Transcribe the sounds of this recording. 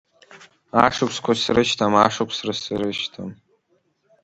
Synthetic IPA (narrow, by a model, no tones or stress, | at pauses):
aʂɨkʷʰskʷʰasrɨʃtʰamaʂɨkʷʰsrɨsɨɾɨʃtʰa̰m